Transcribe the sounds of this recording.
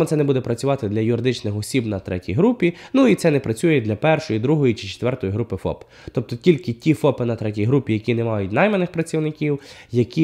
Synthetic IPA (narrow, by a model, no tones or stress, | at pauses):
ɔt̪sɛnɛbud̪ɛpɾɐt͡sʲʊʋɑt̪ɪd̪lʲɐjʊɾɪd̪ɪt͡ʃnɪxɔsʲibnɐt̪ɾɛ̰tʲḭjɦɾupʲinuit̪sɛnɛpɾɐt͡sʲujɛd̪lʲɐpɛrʃɔjid̪ɾuɦɔjit͡ʃɪ̥t͡ʃe̥t̪ʋɛrt̪ɔjiɦɾupɪfɔ̰p | t̪ɔp̚t̪ɔtʲilʲkɪtʲifɔpɪnɐt̪ɾɛtʲijɦɾupʲijɐkʲinɛmɑjʊt̚ʲnɑjmenɪxpɾɐt͡sʲiwnɪkʲiwjɐkʲi